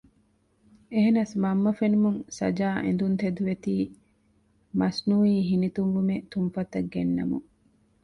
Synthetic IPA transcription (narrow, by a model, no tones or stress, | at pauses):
eɦenɐsmɐmːɐfenumuŋsɐ̰d͡ʒaːʔḛnd̪unt̪ed̪uʋet̪iː | mɐsnuːiːɦinit̪uŋɡumet̪umfɐt̪ɐɡːenːɐ̰mṵŋ